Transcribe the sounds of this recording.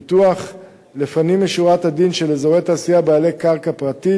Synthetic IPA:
tuaχ | lefanimːeʃuʁathadinʃelezo̞ʁe̞jt̪aːsijabaːle̞jkaʁkapʁat̪i

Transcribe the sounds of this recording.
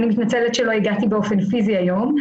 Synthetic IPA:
nimit̪nat͡selet̪ʃelo̞iɡat̪ibeo̞fe̞nfiziajo̞m

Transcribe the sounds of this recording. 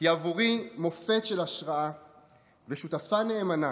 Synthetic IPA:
javoʁimo̞fetʃelaʃʁaa | veʃutafaneːmana

